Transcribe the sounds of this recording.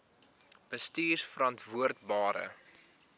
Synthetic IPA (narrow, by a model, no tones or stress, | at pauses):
b̥əstiːrfəɾɐntvuərtbɑːɾə̰